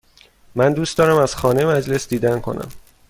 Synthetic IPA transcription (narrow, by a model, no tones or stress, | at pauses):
mænd̪uːst̪ɒːɾæmæz̥xɒːne̞jemæd͡ʒle̞sd̪iːd̪ænkʰo̞̰nʔæ̰m